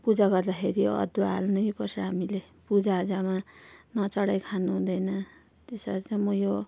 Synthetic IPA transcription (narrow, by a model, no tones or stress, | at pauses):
pud͡zaɡʌrd̪akʰeɾiʌ̰d̪ua̰lnʌjpʌrsʰʌɦamile | pud͡zaːd͡zamanʌt͡sʌɽajkʰanuɦũd̪ʌjnʌ | t̪esʌɾt͡saj̃mʌjo